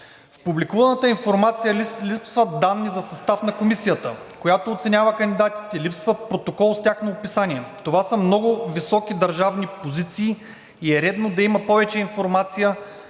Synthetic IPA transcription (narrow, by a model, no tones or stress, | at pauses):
fpublikuvɐnət̪əinfoɾmat̪sijəlipsvəd̪anːizɐsɐst̪afnɐkomisijət̪ə̰ | kojat̪oːt̪sɛnʲjavəkɐnd̪ʲid̪at̪i̥t̪ɛilipsvəpɾot̪okɔlˠst̪ʲaxnoːpisanʲiɛt̪ovasəmnɔɡʊvisɔkid̪ɐɾʒavnipozit̪siː | iɛɾɛd̪nod̪ɐimɐpɔvɛt͡ʃɛinfoɾmat̪sijə